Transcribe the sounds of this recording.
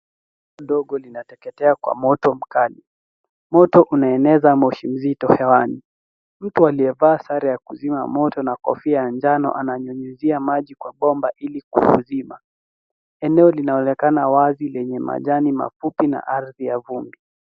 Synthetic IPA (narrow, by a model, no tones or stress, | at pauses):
ɔɗɔɠɔlinatɛkɛtɛakwa̰mɔtɔm̩kali | mɔtɔʔunaɛnɛzamɔʃim̩zitɔhɛwani | m̩tualiɛvaːsaɾɛjakuzimamɔtɔnakɔ̰fiajaɲd͡ʒanɔ̰ʔanaɲɔɲuziamaʄikwaɓɔmbaʔilikṵhṵzima | ɛnɛɔlinaɔnɛkanawazilɛɲɛma̰ʄanima̰fupina̰ʔaɾðijavumbi